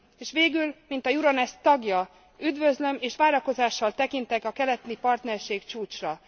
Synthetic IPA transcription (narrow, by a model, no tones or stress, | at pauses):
eːʃʋeːɡylmint̪ɒjuɾɒnɛst̪ɒɡjɒ | yd̪vø̞zlø̞meːʃʋaːɾɒko̞zaːʃːɒlt̪ɛkint̪ɛkɒkɛlɛt̪nipɒrt̪nɛrʃeːkt͡ʃuːt͡ʃrɒ